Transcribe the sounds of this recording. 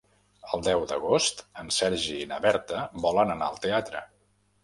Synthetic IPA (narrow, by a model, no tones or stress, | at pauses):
əlˠd̪ɛwd̪ə̰ɣ̞ost̪ənsɛɾʒinəβɛɾt̪əβɔlənənaəlˠt̪eat̪ɾə̰